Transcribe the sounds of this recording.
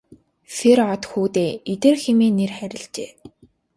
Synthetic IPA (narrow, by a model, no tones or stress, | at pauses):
sʰeɾɔt̪xuːt̪eːet̪eːrxemeːnerχæɾʲɪ̆ɮt͡ɕeː